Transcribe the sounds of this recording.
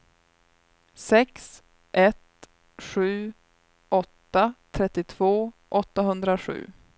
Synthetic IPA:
sɛks | ʔɛt̪ | ɧʉ̟ː | ɔt̪ːat̪ʰɾɛt̪ːɪt̪ʰv̥oːʔɔt̪ːaɦɵnd̪ɾaɧʉ̟̰ː

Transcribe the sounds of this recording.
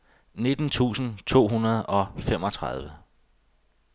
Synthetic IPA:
ne̝d̥n̩t͡sʰṵːsn̩t͡sʰo̝̰ːɦunɐð̞̩ˠɒ̽fem̰ɒ̽t͡sʰʁɑð̞ˠʋə

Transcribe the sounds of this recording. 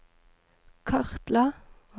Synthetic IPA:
kʰɑʁt̪lɑ

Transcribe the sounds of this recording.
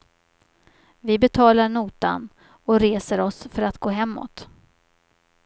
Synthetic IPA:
vɪbɛt̪ʰɑːlaɳuːt̪a̰n | ɔɾeːsəɾɔsfœɾat̪ɡ̥oːɦɛmːɔ̰t̪

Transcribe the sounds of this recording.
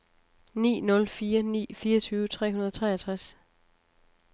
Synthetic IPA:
nḭːnɔ̽lfiːɐnḭːfiːɐt͡sʰyːʊət͡sʰʁɛ̰ːunɐðˠɒ̽t͡sʰʁɛ̰ːɐt͡sʰʁas

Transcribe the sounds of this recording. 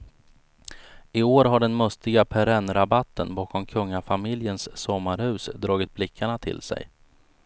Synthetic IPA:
ɪoːɾɦaɖɛnmɵst̪ɪɡapʰɛɾɛnɾabat̪ːənbɑːkʰɔmkʰɵŋːafamɪljənsːɔmːaɾhʉ̟ːsd̪ɾɑːɡɪt̪̚blɪkʰːaɳat̪ʰɪ̰lsɛ̰j

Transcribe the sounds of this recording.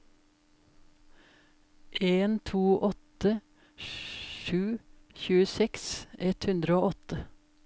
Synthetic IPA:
ʔeːnt̪ʰuːʔɔt̪ə | ʃʉː | çʉːəsɛksɛt̪hʉnd̪ɾəoːɔt̪ə

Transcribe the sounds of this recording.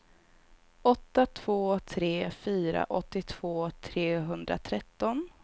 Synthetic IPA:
ɔt̪ːat̪ʰv̥oːt̪ʰɾeːfyːɾa̰ʔɔt̪ːɪt̪ʰv̥oːt̪ʰɾeːɦɵnd̪ɾa̰t̪ʰɾɛt̪ːɔn

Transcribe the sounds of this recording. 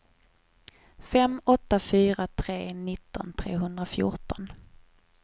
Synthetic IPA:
fɛmɔt̪ːafyːɾat̪ʰɾeːnɪt̪ːɔ̰nt̪ʰɾeːɦɵnd̪ɾafjʊ̰ʈɔn

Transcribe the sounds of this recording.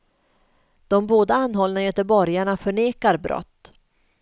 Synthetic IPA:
d̪̥ɔmboːd̪aanːɦɔlnajɛt̪ɛbɔɾjaɳafœɳeːkaɾbɾʔɔ̰t̪ː

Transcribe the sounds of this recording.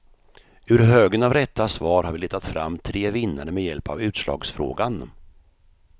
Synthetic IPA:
ɵɾɦøːɡənavɾɛt̪ʰːasvɑːɾhaɾvɪlɪt̪ʰːat̪fɾa̰mːt̪ʰɾeːvɪnːaɾəmɛjɛlpavʉ̟ːt̪slɑ̰ːɡsfɾo̰ːɡan

